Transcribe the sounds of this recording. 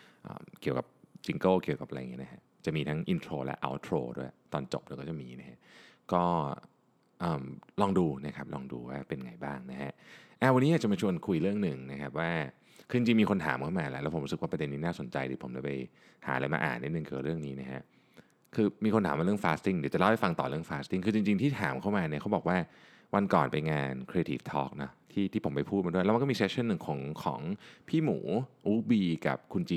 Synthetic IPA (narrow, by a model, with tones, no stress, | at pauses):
ʔə̰ː˨˩mki˨˩əwka̰˨˩p̚t͡ɕi˧ŋkɤː˥˩ki˨˩əwka˨˩pʔa˧ɾa˧ŋi˦˥na˦˥kʰa˦˥ʔt͡ɕa˨˩miː˧t̪ʰa˦˥ŋʔi˧nt̪ʰɾoː˧lɛ̰˦˥ʔa̰˧˩wt̪ʰɾo̰ː˧du˥˩əjt̪ɔː˧nt͡ɕo˨˩p̚di˦kɔː˥˩t͡ɕa˨˩miː˧na˦˥kʰa˦˥ʔkɔː˥˩ | ʔɤː˨˩mlɔː˧ŋduː˧na˦˥kʰa˦˥p̚lɔː˧ŋdṵː˧waː˥˩pe˧nŋa˧jbaː˥˩ŋna˦˥kʰa˦˥ʔʔa˧˩wa˧nːiː˦˥a˨˩t͡ɕa˨˩maː˧t͡ɕʰu˧ənkʰu˧jɾɯ˥˩əŋnɯ˨˩ŋna˦˥kʰa˦˥p̚waː˥˩ | kʰɯː˧t͡ɕi˧ɲt͡ɕi˧ŋmiː˧kʰo˧nt̪ʰaː˩˦mkʰa˥˩maː˧lɛ˦ʔlːwpʰɾskwaː˥˩pɾa˧de˧nːiː˦naː˥˩so˩˦nt͡ɕa̰˧jt̪ʰiː˧˩pʰo˩˦mda˧˩pa˧j | ha̰ː˩˦laː˧jma̰ː˧ʔa̰ː˨˩nːi˦˥t̚nɯ˨˧ŋki˨˩ka˨˩ɾɯ˥˩əŋniː˦˥na˦˥kʰa̰˦˥ʔ | kʰɯː˧miː˧kʰo˧nt̪ʰaː˩˦mː˧ɾɯ˥˩ə˨ŋfaː˦˥st̪i˥˩ŋdi˨˩˦t͡ɕa˨˩la˥˩ha˧˩fa˧ŋt̪ɔː˨˩ɾɯ˥˩əŋfaː˦˥st̪i˥˩ŋkʰɯː˧t͡ɕi˧ŋt͡ɕi˧ŋt̪ʰiː˥˩t̪ʰaː˩˦mkʰa˥˩wmaː˧ni˥˩kʰa˦˥wbɔː˨˩k̚waː˥˩ | wa˧nkɔː˨˩npa˧jŋaː˧nkʰɾeː˧t̪ʰiː˨˩ft̪ʰɔː˦˥k̚nɔ˦˥t̪ʰiː˥˩t̪ʰiː˥˩o˩˦pa˧jpʰuː˥˩t̚maː˧du˥˩jɛ˦˥wm˧kːmiː˧seː˦˥t͡ɕʰːa˧˥˨nːɯ˨˩ŋkʰɔː˨˩˦ŋkʰɔ̰ː˩˦ŋpʰiː˥˩muː˩˦ʔuː˦˥biː˧ka̰˨˩p̚kʰu˧nt͡ɕiː˧